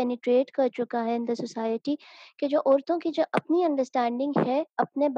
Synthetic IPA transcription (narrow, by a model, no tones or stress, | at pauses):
aːniʈɾeːɖkɐɾt͡ʃʊkaɦɛɪ̃nd̪əsʊsaːjəʈiked͡ʒoːʔɔːɾt̪õkid͡ʒoːʔɐpniɐ̃ɳɖəɾsʈɛ̃ːɳɖɪ̃ŋɡɦɛɐpneb